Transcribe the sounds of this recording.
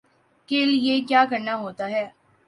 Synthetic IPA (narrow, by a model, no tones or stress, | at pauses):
keːljeːkjaːkəɾnaɦoːt̪aːɦɛː